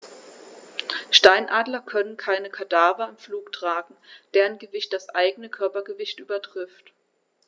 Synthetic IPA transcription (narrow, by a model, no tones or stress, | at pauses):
ʃtaɪnʔaːdlɐkʰœnənkʰaɪnəkʰadaːvɐɪmfluːktʁ̥aːɡŋ̩d̥eːʁənɡəvɪçt̚d̥asʔaɪɡənəkʰœɐpɐɡəvɪçtʔyːbɐtʁ̥ɪft